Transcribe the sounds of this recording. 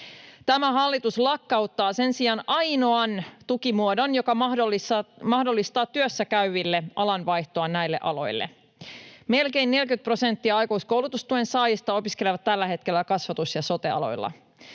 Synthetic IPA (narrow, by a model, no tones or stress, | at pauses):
t̪æmæɦɑlːit̪uslɑkːɑwt̪ːɑːse̞nsiɑnʔɑjno̞ɑnt̪ukimuodo̞njo̞kɑmɑhdolːisɑmɑhdo̞lːist̪ɑːt̪t̪ːyøsːækæyʋilːe̞ɑlɑnʋɑjht̪o̞ɑnæjlːe̞̰ʔɑlo̞̰jlːḛ | me̞lke̞inːe̞lkyt̪̚pro̞se̞nt̪ːiɑɑjkousko̞wlut̪ust̪uensɑːjist̪ɑo̞piske̞leʋɑt̪t̪ːælːæɦe̞t̪ke̞lːækɑsʋɑt̪usjɑso̞t̪eɑ̰lo̞̰jlːɑ̰